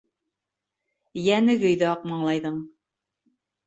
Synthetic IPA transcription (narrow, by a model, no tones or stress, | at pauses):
jænɘɡɵ̆jðɘɑq̚mɑɴlˠɑjðɤɴ